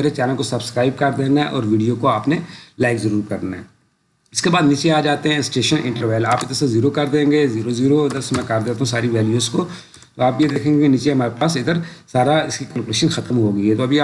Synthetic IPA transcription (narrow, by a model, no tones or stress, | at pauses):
eːɾet͡ʃɛːnəlkosɐbskɾaːɪb̚kɐɾd̪eːnaɛʔɔ̰ːɾʋiːɖijokoaːpnelaːɪkzɐɾuːɾkɐɾnaɦɛ̃ | ɪskebaːd̪nit͡ʃeaːd͡ʒaːt̪eɦɛ̃sʈeːʃənɪ̃ɳʈəɾʋeːlaːpɪd̪əɾseziːɾokɐɾd̪ẽːŋɡeziːɾoziːɾoɪd̪əɾsemɛ̃kɐɾd̪eːt̪aɦũs̬aːɾiʋɛːljuːzko | t̪oaːpjed̪eːkʰẽːŋɡekinit͡ʃeɦɐmaːɾepaːsɪd̪əɾsaːɾaɪskikɐlkʊleːʃənxɐt̪əmɦoːɡɐiɦɛt̪oɐbʱiaː